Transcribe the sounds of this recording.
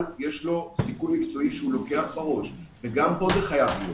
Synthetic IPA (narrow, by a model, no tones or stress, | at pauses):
ljeʃlo̞sikulmikt͡so̞iʃeulo̞ke̞aχbaʁo̞ʃveɡampo̞zeχajavlijo